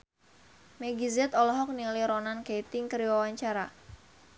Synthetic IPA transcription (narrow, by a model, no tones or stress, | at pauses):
meɡizɛt̪ɔlɔɦɔk̚niliɾɔnankeit̪ɪŋkəɾiwawaɲt͡ʃaɾa